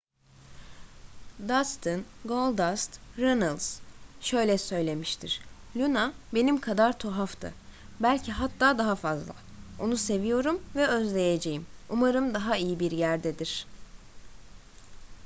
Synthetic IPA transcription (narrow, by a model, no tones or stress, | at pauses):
d̪ast̪ʰɯnɡolˠd̪ast̪ɾenalʲˠz̥ʃø̞jlʲɛsø̞jlʲe̞miʃt̪ʰḭɾ̥lʲynabe̞nimkʰad̪aɾt̪ʰo̞ɦaft̪ʰɯ̰ | bælʲcʰiɦat̪ʰːaːd̪aɦafazlˠa̰ | o̞nuse̞vijo̞ɾumvɛøzlʲe̞jed͡ʒe̞jimumaɾɯmd̪aɦaijibiɾjæɾd̪ɛd̪iɾ̥